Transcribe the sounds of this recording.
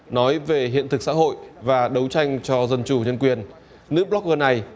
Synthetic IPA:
nɔ˨˦jve˨˩ɦḭ˧˨ənt̪ʰɨ˨˩k̚sa̰ː˧˥ɦo̰˧˨jvaː˨˩ɗə˨˦wt͡ɕa˧jŋ̟t͡ɕɔ˧zə˧nt͡ɕu˧˩ɲə˧nkwi˨˩ən | nɨ̰˧˥ɓlɔ˦˥k̚ʔəː˧na˨˩j

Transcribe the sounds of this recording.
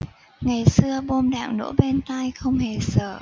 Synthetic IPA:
ŋa˨˩jsɨ˧əɓo˧mɗa̰ː˧˨ŋno̰˧˥ɓe˧nt̪a˧jxə˧wŋ͡mhe˨˩səː˧˩

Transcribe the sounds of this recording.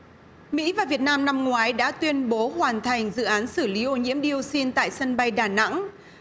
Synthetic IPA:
mḭ˧˥vaː˨˩vi˨˩ət̚naː˧mna˧mŋwaː˨˦jɗa̰ː˧˥t̪wi˧ənɓo˨˦hwaː˨˩nt̪ʰa˨˩jŋ̟zɨ̰˧˨ʔaː˨˦nsɨ˧˩li˨˦ʔo˨˧ɲḭ˧˥əmɗi˧əwsi˧nt̪a̰ː˧˨jsə˧nɓa˧jɗaː˧˩na̰˧˥ŋ

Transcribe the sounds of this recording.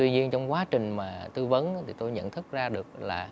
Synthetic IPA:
t̪wi˧ɲi˧ənt͡ɕɔ˧wŋ͡mkwaː˨˦t͡ɕï˨˩ŋ̟maː˨˩t̪ɨ˧və˨˦nː˧˦t̪ʰi˨˩t̪o˧jɲə̰˧˨nt̪ʰɨ˦˥k̚zaː˧ɗɨ˨˩ək̚laː˨˩

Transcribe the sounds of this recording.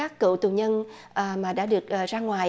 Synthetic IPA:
aː˦˥kːɨ̰˧˨t̪u˨˩ɲə˧nʔəː˨˩maː˨˩ɗa̰ː˧˥ɗɨ˨˩ək̚ʔːzaː˧ŋwaː˨˩j

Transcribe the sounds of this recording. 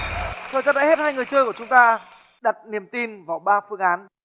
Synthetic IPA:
t̪ʰəː˨˩jzaː˧na̰˧˥˦he˦˥t̚haː˧jŋɨ˨˩əjt͡ɕəː˧jku˧˩t͡ɕʊ˨˦ŋ͡mt̪aː˧ | ɗa˨˩t̚ni˨˩əmt̪i˧nvaː˨˩wɓaː˧fɨ˧əŋʔaː˨˦n

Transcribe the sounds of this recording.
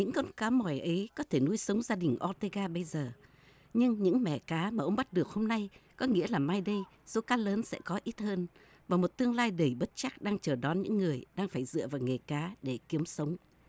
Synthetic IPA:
ɲɨ̰˧˥ŋkɔ˧nkaː˨˦mɔ˨˩jʔə˨˦jkɔ˨˦t̪ʰe˧˩nu˧əjsə˨˦wŋ͡mzaː˧ɗï˨˩ŋ̟ʔɔ˧t̪e˧ɣaː˧ɓə˧jzəː˨˩ | ɲɨ˧ŋɲɨ̰˧˥ŋmɛ̰˧˩kaː˨˦maː˨˩ʔə˧wŋ͡mɓa˦˥t̚ɗɨ˨˩ək̚ho˧mna˧jkɔ˨˦ŋḭ˧˥əlaː˨˩maː˧jɗə˧j | zo˨˦kaː˨˦ləː˨˦nsɛ̰˧˥kɔ˨˦ʔi˦˥t̚həː˧n | vaː˨˩mo˨˩t̚t̪ɨ˧əŋlaː˧jɗə˨˧˩jɓə˦˥t̚t͡ɕa˦˥k̚ɗaː˧ŋt͡ɕəː˨˩ɗɔ˨˦nɲɨ̰˧˥ŋːɨ˨˩əjɗaː˧ŋfaː˧˩jzɨ̰˧˨əvaː˨˩wŋe˨˩kaː˨˦ɗe˧˩ki˨˦əmsə˨˦wŋ͡m

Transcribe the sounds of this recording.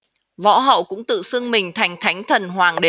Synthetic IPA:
vɔ̰˧˥ɦə̰˧˨wkʊ̰˧˥ŋ͡mt̪ɨ̰˧˨sɨ˧əŋmï˨˩ŋ̟t̪ʰa˨˦jŋ̟t̪ʰa˨˦jŋ̟t̪ʰə˨˩nhwaː˨˩ŋɗe˨˦

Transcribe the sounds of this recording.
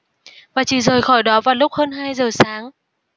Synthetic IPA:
vaː˨˩t͡ɕḭ˧˩zəː˨˩jxɔ˧˩jɗɔ˨˦vaː˨˩lʊ˦˥k͡p̚həː˧nɦaː˧jzəː˨˩saː˨˦ŋ

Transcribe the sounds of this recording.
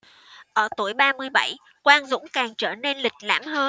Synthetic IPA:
ʔəː˧˩t̪u˧˩əjɓaː˧mɨ˧əjɓa˧˩j | kwaː˧nzʊ̰˧˥ŋ͡mkaː˨˩ŋt͡ɕəː˧˩ne˧nlï˨˩k̟̚la̰ː˧˥˩mhəː˧

